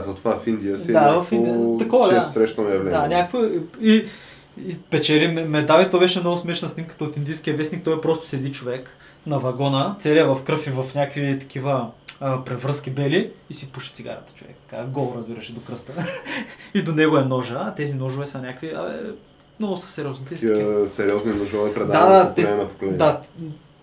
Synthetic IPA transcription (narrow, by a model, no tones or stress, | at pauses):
t̪ot̪ovafind̪ijəsdɛavɐfiniət̪ɐkɔvɐɛssɾɛʃt̪ənɛɐvlɛd̪anʲakəkvəi | ipɛt͡ʃɛɾimɛmɛd̪avit̪obɛʃɛmnɔɡʊsmɛʃnɐsnʲimkə̥t̪əot̪ind̪ijskʲiɐvɛsnik̚t̪ɔjɛpɾɔst̪ʊ̥sɛd̪it͡ʃovɛk | nɐvɐɡɔnət̪sɛɾiɐvɐfkɾɤfivɐfnʲakvit̪ɐ̥k̟ʰivəːpɾɛvɾɤskʲibɛliːsipuʃi̥t̪siɡa̰ɾɐ̰t̪ə̥t͡ʃovɛ̰kt̪ɐ̥ka̰ɡɔlˠɾɐzbiɾɐʃɛd̪okɾəst̪ə | id̪onɛɡoɛnɔʒəːt̪ɛzinɔʒʊvɛsɐnʲakviɐ̰ɛ̰ | mnɔɡʊsə̥sɛɾiɔznit̪ɛisiəsɛɾiɔzninoʒopɾɛd̪aad̪at̪ɛɛmɛnɐpo̥kolɛnːd̪a